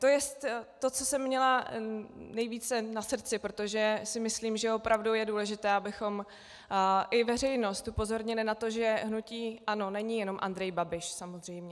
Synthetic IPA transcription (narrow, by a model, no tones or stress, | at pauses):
t̪o̞jɛst̪ː | o̞t͡sosɛmːɲɛla | nɛjviːt͡sɛnasrt͡sɪpɾot̪o̞ʒɛsɪmɪsliːmʒɛo̞pɾʔavduwjɛduːlɛʒɪt̪ɛːabɪxo̞m | ʔɪvɛr̝ɛjno̞st̪upo̞zo̞ɾɲɪlɪnat̪o̞ʒɛɦnuciːʔano̞nɛɲɪjɛno̞mʔa̰nd̪ɾɛjbabɪʃsamozr̝ɛjmɲɛ